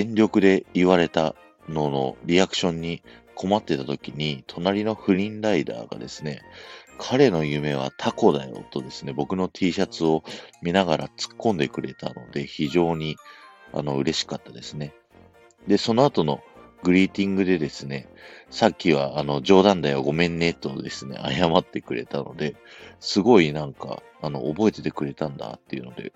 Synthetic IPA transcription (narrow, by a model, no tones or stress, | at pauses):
ẽ̞ɲɾʲo̞kɯ̟d̪e̞iβ̞aɾe̞t̪a | no̞no̞̰ɾʲiakɯ̟̥ɕõ̞ɲ̟ːikʰo̞mat̪ːe̞t̪at̪o̞kʲiɲ̟it̪ʰo̞naɾʲino̞ɸɯ̟ɾʲĩnɾaid̪a̰ːɡa̰d̪e̞sɨne̞kʰaɾe̞no̞jɯ̟me̞β̞a̰t̪ʰako̞d̪a̰jo̞̰t̪o̞d̪e̞sɨne̞bo̞kɯ̟no̞t̪ʲʰiːɕat͡sɨo̞mʲinaɡaɾat͡sɨ̥kːõ̞nd̪e̞kɯ̟ɾe̞t̪a̰no̞d̪e̞çiʑo̞ːɲ̟i | a̰no̞ɯ̟ɾe̞ɕi̥kat̪ːad̪e̞sɨne̞ | d̪e̞so̞no̞at̪o̞no̞ | ɡɯ̟ɾʲiːt̪ʲĩŋɡɯ̟d̪e̞d̪e̞sɨne̞sakʲːiβ̞aːno̞d͡ʑo̞ːd̪ãnd̪aiβaɡo̞mẽ̞nːe̞t̪ːo̞d̪e̞sɨne̞̰ʔa̰jamat̪ːe̞kɯ̟ɾe̞̰t̪ano̞̰d̪e̞sɨɡo̞inãŋka̰ː | no̞̰ʔːbo̞e̞t̪e̞t̪ekɯ̟ɾe̞t̪ãnd̪a̰t̪ːe̞̰iɯ̟no̞d̪e̞̰